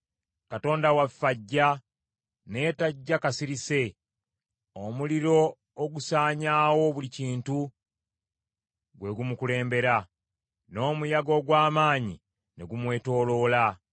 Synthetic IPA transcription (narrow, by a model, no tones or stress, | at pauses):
kato̞ːndawafaɟːa | ne̞ːtaɟːakasiɾise̞ | omuliɾo̞ː | ɡusaːɲaːwo̞βuliciːntu | ɡwe̞ɡumukule̞ːmbe̞ɾa | no̞ːmujaɡo̞ɡwaːmaːɲḭ | ne̞ɡumwe̞ːto̞ːlo̞ːla